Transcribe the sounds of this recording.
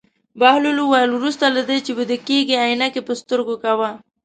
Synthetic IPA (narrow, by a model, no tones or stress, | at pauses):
bahluluwajlwɾust̪alad̪ət͡ʃebəd̪əkeɡiajnakepəst̪əɾɡokawa